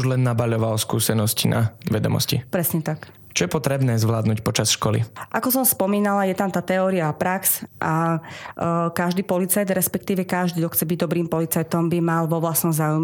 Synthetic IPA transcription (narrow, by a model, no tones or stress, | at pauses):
uʒlɛnːabaʎɔʋalɔskuːsɛnɔscina̰ʋɛd̪ɔ̰mɔ̰scḭpɾɛsɲɛt̪ak | t͡ʃɔjɛpɔt̪ɾɛbnɛːzʋlaːd̪nuːcpɔt͡ʃasʃkɔlḭʔakɔsɔmspɔmiːnalajɛt̪amt̪aːt̪ɛɔːɾiapɾaksʔa | kaʒd̪iːpɔlit͡sajd̪ɾɛspɛkt̪iːʋɛkaʒd̪iːd̪ɔxt͡sɛbiɟd̪ɔbɾiːmpɔlit͡sajt̪ɔmbimalʋɔʋlasnɔmzaːujmɛ